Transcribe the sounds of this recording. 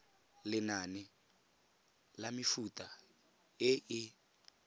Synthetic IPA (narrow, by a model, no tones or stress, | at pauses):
lɪnanɪ | lamɪfutʼa | ɪʔɪ